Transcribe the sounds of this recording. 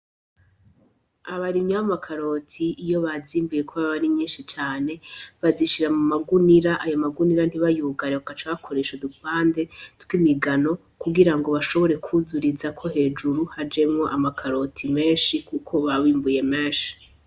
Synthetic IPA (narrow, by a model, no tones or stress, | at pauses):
aβaɾimɲaβamakʰaɾo̞tʰiijo̞βaziːmbuje̞kʰoβaβaβaɾiɲɲiːnʃit͡ʃaːne̞βaziʃiɾamumaɡuniɾaʔajomaɡuniɾan̥iβajuɡaɾeβakat͡ʃaβakʰo̞ɾe̞ːʃudupaːnde̞tɡwimiɡano̞ | kuɡiɾaŋɡo̞βaʃo̞βo̞ɾe̞kʰuzuɾizakʰo̞he̞ːd͡ʒuɾuhad͡ʒe̞mŋo̞ʔamakʰaɾo̞tʰime̞ːnʃikukʰo̞βaβiːmbuje̞meːʃi̥